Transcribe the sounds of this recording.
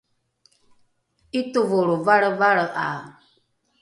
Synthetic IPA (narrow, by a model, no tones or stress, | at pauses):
itovoɾovaɾəvaɾəʔa